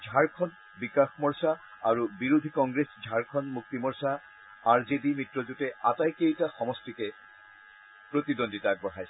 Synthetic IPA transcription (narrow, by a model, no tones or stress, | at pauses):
d͡ʒʱaɹkʰɔn | bikaxmɔɹsa | aɹubiɹod̪ʱikɔŋɡɹesd͡ʒʱaɹkʰɔnmuk̚t̪imɔɹsa | aɹzedimitɹɔzutɛatajkejtaxɔmɔstikɛ | pɹot̪idonditaɡ̚bɔɦʰajs